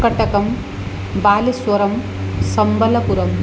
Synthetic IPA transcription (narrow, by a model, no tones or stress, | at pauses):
kɐʈɐkɐm | baːliswɐɾɐm | sɐmbʱɐlɐpuɾɐm